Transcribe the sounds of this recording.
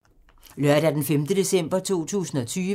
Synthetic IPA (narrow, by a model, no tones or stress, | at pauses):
lɶɐ̰ɾæɐd̥enfemd̥əd̥e̝sem̰b̥ɐt͡sʰo̝̰ːt͡sʰṵːsn̩ɒ̽t͡sʰyː